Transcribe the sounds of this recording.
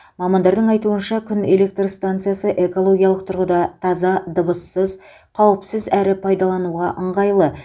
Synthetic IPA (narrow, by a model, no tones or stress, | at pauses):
mɑmɑnd̪ɑɾd̪əɴɑjt̪uənʃɑkʲʰʏne̞le̞k̚t̪rst̪ant̪sɨjasəʔe̞ko̞lˠo̞ɡʲijɑlˠəq̚t̪ʰʊɾʁəd̪ɑt̪ʰɑzɑd̪əbəsːəz | qʰɑwəpsɪzæɾɪpʰɑjd̪ɑlˠɑnuʁɑʔəɴʁɑjlˠə